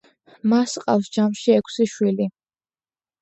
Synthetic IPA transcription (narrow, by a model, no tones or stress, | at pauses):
masqʼa̰fsd͡ʒamʃiɛkʷʰsiʃwili